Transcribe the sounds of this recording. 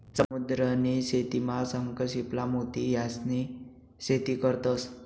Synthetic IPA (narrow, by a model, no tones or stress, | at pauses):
səmud̪ɾəniset̪imasəŋkəɕiplamot̪ijasni | set̪ikəɾt̪əs